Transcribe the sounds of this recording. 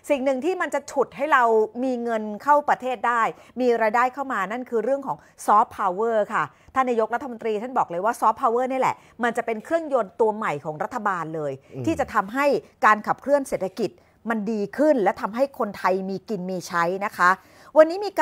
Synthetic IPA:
si˨˩ŋnɯ˨˩ŋt̪ʰiː˥˩ma˧nt͡ɕa˨˩t͡ɕʰu˨˩t̪̚ɦa˥˩jɾa˧wmiː˧ŋɤ˧nkʰa˥˩wpɾa˧t̪ʰeː˥˩t̪̚daː˥˩jmiː˧ɾaː˧jdaː˥˩jkʰa˥˩wmaː˧na˥˩nkʰɯː˧ɾɯ˥˩əŋkʰɔː˩˦ŋ | sɔː˦˥pʰːaː˧wwɤː˥˩kʰa˥˩ | t̪ʰaː˥˩naː˧jo˦˥kɾa˦˥t̪ʰːa˧mo˧nt̪ɾiː˧t̪ʰa˥˩nbɔː˨˩k̚lɤː˧jwaː˥˩sɔː˦˥pʰːaː˧wɤː˥˩ni˥˩lɛ̰˨˩ʔ | ma˧nt͡ɕa˨˩pe˧nkʰɾɯ˥˩əŋjo˧nt̪u˧ɐma˨˩jkʰɔː˩˦ŋɾa˦˥t̪ʰːa˧baː˧nlɤː˧jt̪ʰiː˥˩t͡ɕa˨˩t̪ʰa˧mɦa˥˩jkaː˧nkʰa˨˩p̚kʰlɯ˥˩ənseː˨˩t̪ʰːa˧ki˨˩t̪̚ | ma˧ndiː˧kʰɯ˥˩nlɛ˦˥wt̪ʰa˧mɦa˥˩jkʰo˧nt̪ʰa˧jmiː˧ki˧nmiː˧t͡ɕʰa˦˥jna˦˥kʰa˦˥ | wa˧nːiː˦˥miː˧ka

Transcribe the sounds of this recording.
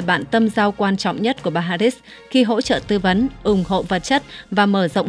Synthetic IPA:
jɓa̰ː˧˨nt̪ə˧mzaː˧wkwaː˧nt͡ɕɔ̰˧˨wŋ͡mɲə˦˥t̚ku˧˩əɓaː˧ɦaː˧ɾi˦˥s | xi˧ɦo̰˧˥t͡ɕə̰ː˧˨t̪ɨ˧və˨˦nʔʊ˨˧˩ŋ͡mho̰˧˨və˨˩t̚t͡ɕə˦˥t̚vaː˨˩məː˧˩zə̰˧˨ŋ͡m

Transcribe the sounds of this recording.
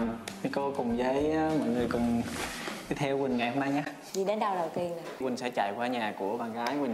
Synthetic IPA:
ə˨˦ko˧˦kʊ˨˩ŋ͡mzə˨˦jmɔ̰˧˨jŋɨ˨˩əjkʊ˨˩ŋ͡m | i˧˦t̪ʰɛ˧wkwï˨˩ŋ̟ŋa˨˩jho˧mna˧jɲaː˨˦ | zi˨˩ɗe˨˦nɗa˧wɗə˨˩wt̪i˧ənɨ˨˩wï˨˩ŋ̟sɛ̰˧˥t͡ɕa̰˧˨jkwaː˧ɲaː˨˩ku˧˩əɓaː˨˩ŋkaː˨˦jwï˨˩ŋ

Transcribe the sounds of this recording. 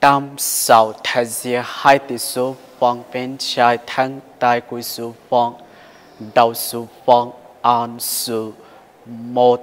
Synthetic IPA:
t̪a˦msa˨wt̪ʰa˧zi˧ə˧ha˧jt̪i˨su˦ | fɔ˧ŋpe˧nt͡ʃʰa˧jt̪ʰa˧˦ŋt̪a˧jku˧jsu˧fɔ˧ŋ | da˧wsu˧ɸɔ˧ŋa˧nsu˧ | mɔ˧

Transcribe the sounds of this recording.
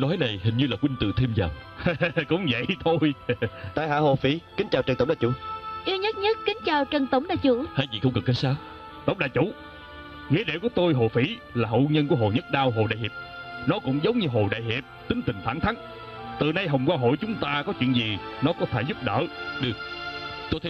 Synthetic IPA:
nɔ˨˦jna˨˩jhï˨˩ŋ̟ɲɨ˧laː˨˩kwï˧ŋ̟t̪ɨ̰˧˨t̪ʰi˧mzaː˨˩w | kʊ̰˧˥ŋ͡mvə̰˧˨jt̪ʰo˧jt̪a̰ː˧˨jɦa̰ː˧˥˦ɦo˧˨˩fi˧˩˦kï˨˦ŋt͡ɕaː˨˩wt͡ɕə˨˩t̪ːŋ͡mɗaː˨˩t͡ɕṵ˧˥˦ʔi˧wɲə˦˥t̚ɲə˦˥t̚kï˨˦ŋ̟t͡ɕaː˨˩wt͡ɕə˨˩ŋt̪ə˨˦wŋ͡mɗaː˧˨jt͡ɕu˧˥haː˧˨jzḭ˧˨˩xə˧wŋ͡mkə˨˩kːə˨˦jsaː˧˩w | t̪ə̰˧˩wŋ͡mɗaː˧˨jt͡ɕṵ˧˥ | ŋḭ˧˥əɗe˧˨ku˧˩ət̪o˧jɦo˨˩fi˧˩ | laː˨˩ɦə̰˧˨wɲə˧nku˧˩əɦo˨˩ɲə˦˥t̚ɗaː˧wɦo˨˩ɗa̰ː˧˨jhḭ˨˩p̚nɔ˨˦kʊ̰˧˥wŋ͡mzə˨˦wŋ͡mɲɨ˧ɦo˨˩ɗa̰ː˧˨jɦi˨˩əp̚t̪ï˨˦ŋt̪ï˨˩ŋ̟faː˧˩nt̪ʰa˨˦ŋ | t̪ɨ˨˩na˧jɦə˨˩wŋ͡mkwaː˧ɦo̰˧˨jt͡ɕʊ˨˦ŋ͡mt̪aː˧kɔ˨˦t͡ɕwḭ˧˨ənzi˨˩nɔ˨˦kɔ˨˦t̪ʰeː˧˩jzʊ˦˥p̚ɗə̰ː˧˨ɗi˧˩t̪o˧jt̪ʰ

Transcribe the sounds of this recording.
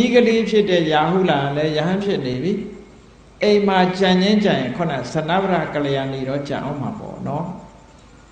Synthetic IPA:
ni˦ɡəle˦pʰjɪ˦˨tɛ˦˨ja˨ɦṵ˦˨la˨a˨lɛ˦jə˨ɦã˦pʰjɪ˦ʔne˨bi˨ | ʔẽ˨ɪ̃ma˨t͡ɕã˨ɲd͡ʑɪ̃˦t͡ɕã˨jɪ̃˨kʰʊ̃˨na̰˦˨zə˨na̰˦˨bə˦ɾa̰˦˨kə˨lə˨jã˨ni˨ɾɔ˦t͡ɕã̰˨ʔõ̰˦˨ma˨pɔ̰˦˨nɔ˦

